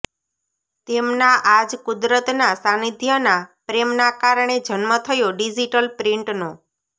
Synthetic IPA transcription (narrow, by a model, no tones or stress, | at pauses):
t̪emnaʔad͡ʒkʊd̪ɾət̪nasanid̪ʱjənapɾemnakaɾɳed͡ʒənmət̪ʰəjoɖid͡ʒiʈəlpɾɪ̃ɳʈno